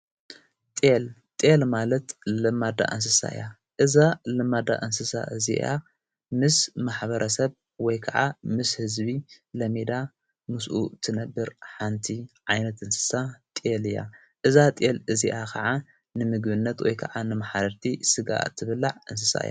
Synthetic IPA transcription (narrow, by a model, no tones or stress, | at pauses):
t̪ʼelt̪ʼelmalɐt̪lɨmad̪a̰ʔɨns̬ɨsa̰ɨ̰ja | ʔɨzalɨmad̪a̰ʔɨnsɨsa̰ʔɨzḭʔa̰ | mɨsmaħbɐɾʔɐsɐβ | wɔjkʰɐʕamɨshɨzbilɐmed̪a | mɨsʔut̪ʰɨnɐbːɨɾħant̪ʰiʕajnɐt̪ʔɨnsɨ̥sat̪ʼelɨja̰ | ʔɨzat̪ʼelɨziʔakʰɐʕa | nɨmɨɡbɨnːɐt̪wɔ̰jkʰɐ̰ʕanɨmaħbɐɾt̪ʰisɨɡa̰ʔt̪ʰːɨβɨlːaʕɨns̬ɨsa̰ɨ̰ja̰